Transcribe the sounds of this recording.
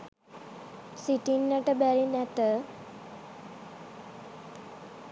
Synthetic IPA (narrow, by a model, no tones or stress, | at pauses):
siʈinːəʈəbæɾinæt̪ə